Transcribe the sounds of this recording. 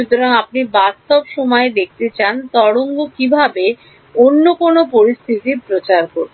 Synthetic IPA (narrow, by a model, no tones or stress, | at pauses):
ut̪oɾaŋapnibast̪obʃɔmɔed̪ek̚ʰt̪et͡ɕant̪ɔɽoŋɡokibʱabe | onːokonopoɾist̪ʰit̪ipɾot͡ɕaɾkoɾ